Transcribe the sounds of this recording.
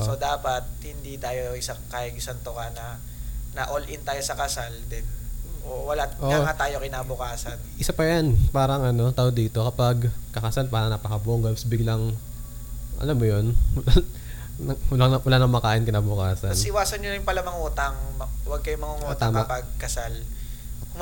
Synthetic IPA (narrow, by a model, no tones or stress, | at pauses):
ʔsod̪aːpɐt̪̚hɪnd̪it̪aːjoʔɪsɐŋkaʔɪŋɪsɐnt̪okɐnɐ | nɐʔolʔɪnt̪aːjosɐkɐsald̪ɛnʔowɐlaʔonaŋat̪aːjo̞kɪnaːbʊkaːsɐnʔɪsapɐjanpaːɾɐŋʔɐno̞t̪aʔod̪iːt̪o̞kɐpɐɡkɐkɐsalpaːɾɐŋnɐpɐkɐboʔŋɡamsbɪɡlɐŋ | ʔɐ̰lamːojonwɐ | ɐwɐlaɐwɐlaːnɐŋmɐkaːʔɪnkɪnaːbʊkaːsɐnsɪwaːsɐnɲonɪjpɐlɐmɐŋuːt̪ɐŋmɐwɐɡ̚kɐjomɐŋʊŋuːt̪aːmapɐɡ̚kɐsal